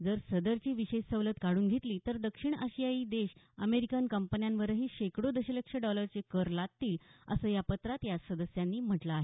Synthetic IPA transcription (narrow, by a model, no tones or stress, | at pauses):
d͡zəɾsəd̪əɾt͡ɕiːʋiɕessəʋlət̪kaɽuːnɡʱet̪liːt̪əɾd̪əkʂiɳəɕijaiːd̪eɕ | əmeɾikənkəmpənjanʋəɾəɦiːɕekɽod̪əɕələkʂəɖɔləɾt͡sekəɾlad̪̚t̪iːlə̰səːjapət̪ɾat̪jasəd̪əsjanːiːm̤əʈlaːɦe